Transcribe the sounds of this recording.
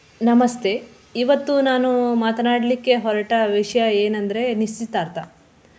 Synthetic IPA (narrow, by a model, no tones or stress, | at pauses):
nɐmɐst̪ʰe̞ | iʋɐt̪ːunaːnumaːt̪ɐnaːɽlikːe̞ɦɔɾɐʈɐʋiʂɐjɐeːnɐnd̪ɐɾe̞nist͡ʃit̪ːaːɾt̪a